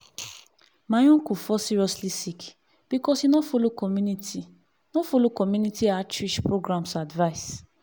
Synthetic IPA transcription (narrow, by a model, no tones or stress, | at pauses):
mãj̃ũkufɔsiɾiɔslisik | b̥ikɔsinɔ̃folokɔmũniti | nɔ̃folokɔmjũnitiat͡ʃɹiʃpɾoɡɾãmsadvais